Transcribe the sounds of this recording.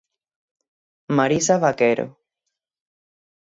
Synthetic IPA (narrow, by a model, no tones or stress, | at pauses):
maɾisaβakeɾo̰